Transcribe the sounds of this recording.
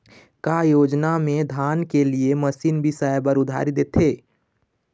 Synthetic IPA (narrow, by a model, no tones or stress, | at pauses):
kajoːd͡ʒnamẽd̪ʱaːnkelieməsiːnbʱisaebəɾʊd̪ʱa̰ɾid̪et̪ʰe